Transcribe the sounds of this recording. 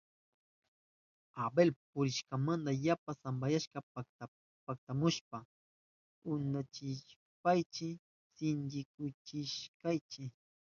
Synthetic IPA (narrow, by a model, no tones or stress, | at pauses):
abelpʊɾɪʃkamand̪ajapasambajaʃkɑ | pak̚t̪amʊʃpa | ʊnat͡ʃɪʃ | pajt͡ʃɪ | sɪnd͡ʒɪkʊt͡ʃɪʃkajt͡ʃɪ